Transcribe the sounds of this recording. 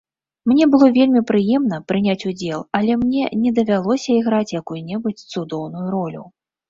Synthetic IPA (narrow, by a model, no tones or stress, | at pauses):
mnʲɛbɨlˠɔvʲelʲmʲipɾɨjɛmn̪ɐpɾɨnʲat͡sʲud͡zʲɛlˠɐlʲɛmnʲɛ̰nʲɛd̪ɐvʲalˠɔsʲɐiɣɾat͡sʲjakujunʲɛbut͡sʲt̪sud̪ɔwnujuɾɔlʲṵ